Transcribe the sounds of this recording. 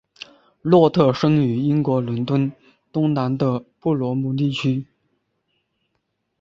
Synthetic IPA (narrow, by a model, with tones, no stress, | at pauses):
lwɔ˥˧t̪ʰɤ˥˩ʂɤ˥ŋy˧˥i˥nkwɔ˧˥lʊ˧˥nt̪wə˥n | t̪ʊ˥ŋna˧˥nd̪ə˧pu˥˩lwɔ˧˥mu˥˧t̪̬i˥˩t͡ɕʰy˥